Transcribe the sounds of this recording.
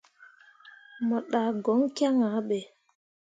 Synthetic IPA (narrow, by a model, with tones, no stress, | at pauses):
mɔ˨ɗa˨ɡɔ˨˦ŋkja˦ŋa˨˦ɓɛ˨